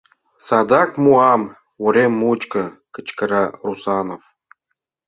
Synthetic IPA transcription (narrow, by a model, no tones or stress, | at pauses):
sɑd̪ɑkmuɑm | woɾʲemːut͡ɕkɤ̆kə̆t͡ɕkə̆ɾɑrusɑnof